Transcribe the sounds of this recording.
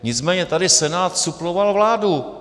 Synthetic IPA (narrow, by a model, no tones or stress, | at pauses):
ɲɪt͡smɛːɲɛt̪adɪsɛnaːt̪suplovalvlaːdu